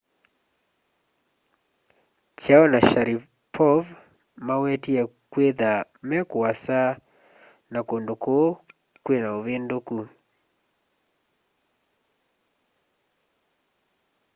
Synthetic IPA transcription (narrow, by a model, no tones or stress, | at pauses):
t͡ʃaɔnaʃaɾi | pʰɔv | mawɛtiɛkweða | mɛkuasa | nakondoko | kwenaoβendoku